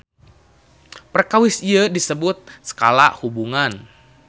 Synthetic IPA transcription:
pərkawɪsiədisəbʊt̪̚sə̥kala̰ʔhubuŋan

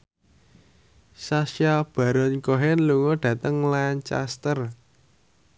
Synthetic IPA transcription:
sasjab̥a̤ɾɔnkɔɦɛnluŋɔɖ̥ä̤t̪əŋlant͡ʃa̰st̪ər

